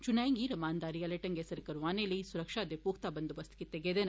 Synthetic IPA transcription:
t͡ʃunaːjŋɡiɾɐmaːnd̪aːɾiɐlɐʈɐŋɡeːsɐɾɐkɐɾuʋaːnelesuɾɐkʂaːd̪epuːkt̪aːbɐnd̪uʋɐst̪ʰi̥kit̪eɡeːd̪eːnɐ

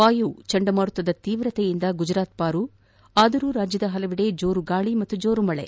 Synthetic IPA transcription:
ʋaːjut͡ʃɐɳɖɐmaːɽut̪ːɐd̪ɐt̪iːʋɾɐt̪ejind̪ɐɡud͡ʒɾaːt̪̚paːɾu | aːd̪ɐɾuːɾaːd͡ʒjɐd̪ɐɦɐlɐʋiɽe̞d͡ʒoːɾuɡaːɭimɐt̪ːud͡ʒoːɾumɐɭḛ

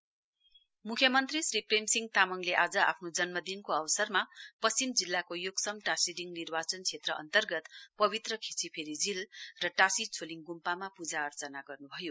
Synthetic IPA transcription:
mukʰjʌmʌnt̪risripremsiŋɡt̪amʌŋleʔad͡zʌa̰pʰnod͡zʌnmʌd̪inkoʌbʌsʌrmapʌsimd͡zilːakojoɡsʌmʈasiɖiŋnirbat͡sʌnt͡sʰet̪rʌʌ̰nt̪ʌrɡʌt̪pʌbit̪rʌkʰit͡sipʰeɾid͡zilrʌʈasit͡sʰoliŋɡumpamapud͡zaʌrt͡sʌnaɡʌrnubʱʌjo

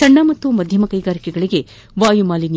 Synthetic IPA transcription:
ɐɳːaːmɐt̪ːumɐd̪ʱjɐmɐkɐjɡaːɾikɛɡɐɭiɡe̞ | ʋaːjumaːlini

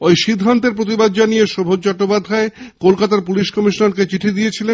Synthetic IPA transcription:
ojʃid̪ʱːant̪eɾp̬ɾot̪̬ibad̪̚d͡ʑanijeʃobʱot͡ɕɔk̚ʈːopad̪ʱːaekolkat̪aɾp̬uliʃkɔmiʃnoɾket͡ɕiʈʰid̪ijet͡ɕʰilen

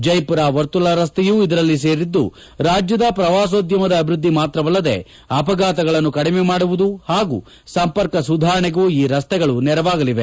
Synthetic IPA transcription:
d͡ʒɐjpuɾaːʋɐɾt̪ulɐɾɐst̪ɛjuːid̪ɐɾɐlːis̬e̞ːɾid̪ːṵ | ɾaːd͡ʒjɐd̪ɐpɾɐʋaːs̬oːd̪jɐmɐd̪ɐːbʱiɾud̪ʱːimaːt̪ɾɐʋɐlːɐd̪e̞̰ | ɐpɐɡaːt̪ɐɡɐɭɐnːukɐɽimemaːɽuʋud̪uhaːɡṵː | sɐmpɐɾkɐsud̪ʱaːɾɐɳɛɡuːiːɾɐst̪ɛɡɐɭunɛɾɐʋaːɡɐliʋe

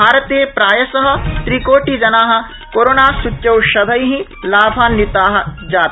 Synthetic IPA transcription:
aːɾɐt̪eːpɾaːjɐsɐɦɐ̆t̪ɾikoːʈid͡ʒɐnaːɦɐ̆ | koːɾoːnaːsutjɐwʃɐd̪ʱɐjɦĩ | laːbʱaːnːit̪aːɦɐ̆d͡ʒaːt̪

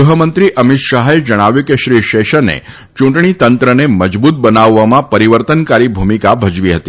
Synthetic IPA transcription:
uɦəmənt̪ɾiʔəmɪt̪ʃaɦed͡ʒəɽ̃aʋjukeʃɾiʃeʃənḛ | t͡ʃũʈɳ̃it̪ənt̪ɾəneməd͡ʒbut̪̚bənaʋːamãpəɾiʋəɾt̪ənkaɾibʱumikabʱəd͡ʒʋiɦət̪i

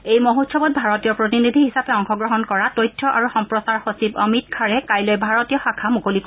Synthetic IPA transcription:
ejmoɦotʃɔbɔt̚bʱaɹɔtijɔpɹotinid̪ʱiɦisapɛɔŋxɔɡɹɔɦɔnkɔɹatojtʰːɔʔaɹuxɔmpɹɔsaɹxosibɔmit̚kʰaɹɛkajlojbʱaɹɔtijɔxakʰamukolik

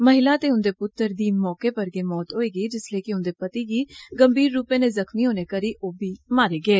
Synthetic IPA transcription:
məɦɪlaːt̪eːʊnd̪eːpʊt̪ːəɾd̪iːmɔːkeːpəɾɡeːmɔːt̪ɦoːeːɡəiːd͡ʒɪsleːkɪʊnd̪eːpət̪iːɡiːɡəmbʱiːɾːuːpẽːneːzəkmiːɦoːneːkəɾiːʔoːbʱiːmaːɾeːɡəeː

